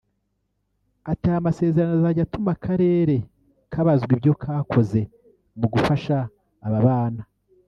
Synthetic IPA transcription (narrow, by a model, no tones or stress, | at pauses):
ataamase̞ːze̞ɾanozaɟatumakʰaɾe̞ːɾe̞ | kʰaβazɡwibjo̞kʰaːkʰo̞ze̞ | muɡufaʃaː | βaβaːna